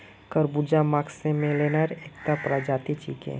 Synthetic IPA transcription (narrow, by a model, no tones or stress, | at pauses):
kəɾbud͡ʒamaːksẽmẽlenəɾeːkt̪apɾad͡ʒaːt̪it͡ʃḭːkḛ̃